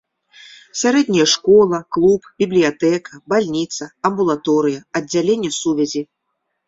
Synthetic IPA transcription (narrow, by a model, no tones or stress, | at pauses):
sʲaɾɛd̪ʲnʲijɛʂkɔlˠɐklˠupbʲiblʲijat̪ɛkʰɐbalʲnʲit̪sɐɐmbulˠat̪ɔɾɨjɐɐdd͡zʲːalʲenʲːɛsuvʲɛzʲi